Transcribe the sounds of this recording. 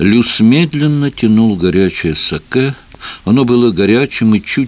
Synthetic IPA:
lʲusmʲed̪lʲɪnːətʲɪnulˠɡɐɾʲæt͡ɕɪjəsɐkɛ | ɐno̞bɨlˠəɡɐɾʲæt͡ɕɪmɨt͡ɕu

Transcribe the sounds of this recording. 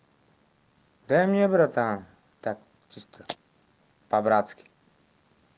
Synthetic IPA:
d̪amɛbɾat̪an | t̪ak | t͡ʃist̪ə | pabɾat̪skʲi̥

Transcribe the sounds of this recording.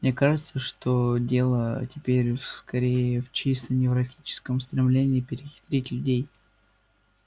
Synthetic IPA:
mnʲekaʐɨt̪səʂt̪o̞dʲe̞lˠətʲɪpʲeɾʲskɐɾʲejəft͡ɕist̪ənʲɪvɾɐtʲit͡ɕɪ̥skəmst̪ɾʲɪmlʲenʲɪːpʲɪɾʲɪxʲɪ̥t̪ɾʲetʲlʲʉdʲej

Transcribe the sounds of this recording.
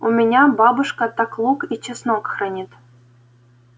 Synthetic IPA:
umʲenʲɑbɑbɤʂkɑt̪ɑklˠukit͡ɕːɘ̆snokxrɑnʲet̪

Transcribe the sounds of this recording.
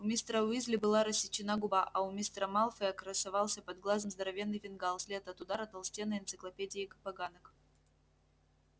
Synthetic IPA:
ʊmʲist̪ɾəʊizʲlʲɪbɨlˠaɾəsʲːɪt͡ɕːɪnaɡʊbaʔɐʊmʲist̪ɾəmalˠfəəɐkɾəsɐvalˠsʲəpɐd̪̚ɡlˠazəmzd̪əɾɐvʲe̞nːɨjvʲɪnɡalˠsʲlʲet̪ɐt̪ʊd̪aɾɐt̪ɐlˠsʲtʲenɨɪnt̪sɨklˠɐpʲedʲɪːkpɐɡanək

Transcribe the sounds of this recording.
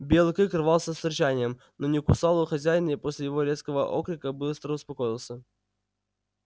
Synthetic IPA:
bʲelˠkɨkrɨvɑlˠsʲəsɪrʲt͡ɕanʲɪjəm | nonʲɪkʊsɑlˠʊxɐzʲæjnʲəiposʲlʲɪjɪvo̞ɾʲet̪skəvəʔo̰kɾʲɪkəbɨst̪ɾəʊspɐkojɪlˠsʲə

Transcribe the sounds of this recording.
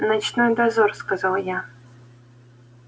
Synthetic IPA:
nat͡ɕnojd̪azorskazalˠja

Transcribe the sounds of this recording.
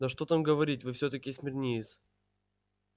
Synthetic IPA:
nɐʂt̪ot̪amɡəvɐɾʲitʲvɨfsʲɵt̪əkʲɪsʲmʲɪrnʲejɪs

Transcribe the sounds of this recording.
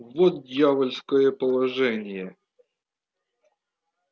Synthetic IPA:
vot̪̚dʲjavəlʲskəjəpəlˠɐʐɛnʲɪjə

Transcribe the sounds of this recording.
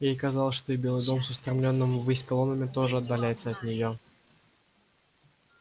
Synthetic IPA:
jejkɐzɑlˠəsʲʂt̪o̞ibʲelˠɨjd̪o̞msʊst̪ɾɐmlʲo̞nːɨmvɨsʲkɐlˠo̞nəmʲɪt̪o̞ʐɨɐd̪ːɐlʲæjɪt̪səɐt̪nʲɪjo

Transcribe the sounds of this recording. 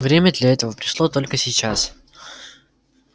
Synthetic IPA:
vɾʲemʲəd̪lʲɐɛt̪əvəpɾʲɪ̥ʂlˠo̞t̪o̞lʲkəsʲɪt͡ɕas

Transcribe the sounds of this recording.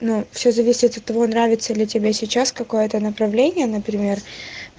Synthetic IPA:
nufsʲozɐvʲisʲɪt̪ɐt̪ːɐvo̞nɾavʲɪt̪səlʲɪtʲɪbʲesʲɪt͡ɕaskɐko̞jət̪ənəpɾɐvlʲenʲɪjənəpɾʲɪmʲe̞r

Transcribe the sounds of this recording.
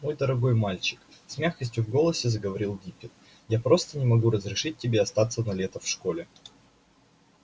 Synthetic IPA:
mo̞jd̪əɾɐɡo̞jmalʲt͡ɕɪ̥k | sʲmʲaxkəsʲtʲjʊvɡo̞lˠəsʲɪzəɡəvɐɾʲilˠɡʲipʲɪt̪ | japɾo̞st̪ənʲɪmɐɡuɾəzɾʲɪʂɨt̚ʲːɪbʲe̞ɐst̪at̪sənɐlʲet̪əfʂko̞lʲɪ

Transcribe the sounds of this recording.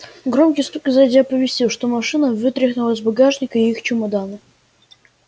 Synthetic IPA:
ɡɾomkʲɪjst̪ukʲɪzɐdʲapəvʲɪsʲtʲilˠʂt̪omɐʂɨnəvɨt̪ɾʲɪxnʊlˠəzʲbaɡaʐnʲɪkəɪixt͡ɕʊmɐd̪anɨ

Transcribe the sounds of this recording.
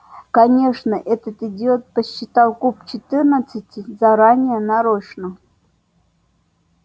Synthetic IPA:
kɐnʲeʂnəʔɛt̪ət̪ɨdʲɪot̪̚pəɕːɪt̪alˠkup̚t͡ɕɪt̪ɨrnət̪sɨtʲɪzaɾanʲɪjənaɾoɕnə

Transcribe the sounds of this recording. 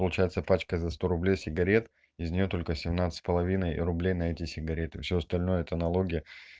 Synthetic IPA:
pəlˠʊt͡ɕæjɪt̪səpat͡ɕkəzɐst̪o̞ɾʊblʲejsʲɪɡɐɾʲe̞t̪ | ɪzʲnʲɪjo̞t̪o̞lʲkəsʲɪmnat̪sɨ̥tʲpəlˠɐvʲinəjrʊblʲejnɐɛtʲɪsʲɪɡɐɾʲe̞t̪ɨfsʲoɐst̪ɐlʲno̞jəɛt̪ənɐlˠo̞ɡʲɪjə

